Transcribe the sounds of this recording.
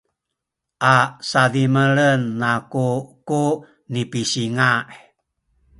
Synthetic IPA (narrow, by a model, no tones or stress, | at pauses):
ʔasadiməɭənːakuku | nipisiŋaʔ